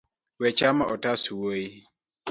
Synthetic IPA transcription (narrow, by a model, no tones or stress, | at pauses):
wɛt͡ʃamaʔɔtasuwoi